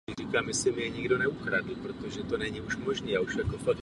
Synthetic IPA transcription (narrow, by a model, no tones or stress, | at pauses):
ɪɾiːkaːmɛsɪmɪɛɲiɡdonɛuxɾadl̩pɾot̪oʒɛt̪onɛɲiuʃmoʒniːauʃfakofak